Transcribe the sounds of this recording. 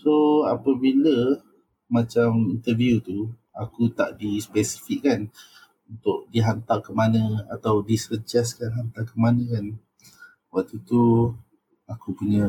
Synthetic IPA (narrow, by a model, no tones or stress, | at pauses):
soapəbilə | mat͡ʃamint̪əvijut̪u | akut̪a̰ʔdispɛsi̥fikːan | unt̪ʊʔdiɦant̪akəmanə̃a̰t̪awdisəd͡ʒaskanɦant̪akəmanə̃kan | wak̚t̪ut̪u | akupuɲə̃